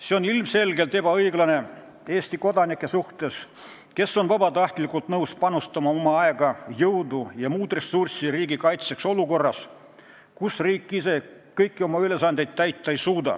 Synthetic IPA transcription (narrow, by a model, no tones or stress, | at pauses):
se̞o̞nilmse̞lɡe̞lt̪e̞bɑɤjɡlɑne̞ | e̞ːst̪iko̞d̪ɑnikˑːe̞suht̪e̞s | ke̞sːo̞nvɑbɑt̪ɑht̪likːˑult̪nɤwspɑnust̪ɑmɑo̞mɑɑe̞ɡ̥ɑjɤwd̪ujɑmuːd̪re̞sursiriːɡikɑjt̪se̞kso̞luko̞rːɑs | kusriːkːˑise̞kɤjkːio̞mɑyle̞sɑnd̪̥e̞jt̪t̪ːæjt̪ˑːɑejsuːd̪ɑ̰